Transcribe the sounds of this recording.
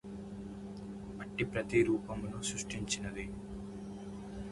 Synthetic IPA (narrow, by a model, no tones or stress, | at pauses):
ɐʈːipɾɐt̪iɾuːpɐmlusɾuʂʈiɲt͡ʃinɐd̪i